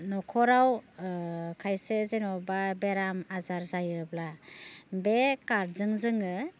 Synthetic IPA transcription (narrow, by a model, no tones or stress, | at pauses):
nɔkʰɔɾaw | kʰajsezenɔbabeɾamazaɾzajɯbla | bekaɾzɯŋzɯŋɯ